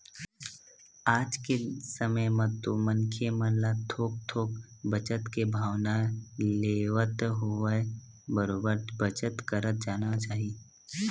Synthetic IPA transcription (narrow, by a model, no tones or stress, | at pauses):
aːd͡ʒkesəməjmət̪umə̃nkʰjemə̃nlat̪ʰoːk̚t̪ʰoːkbət͡ʃət̪kebʱaːʋnaleːʋət̪ɦoə | bəɾoːbəɾbət͡ʃət̪kəɾət̪̚d͡ʒaːnat͡ʃaːɦie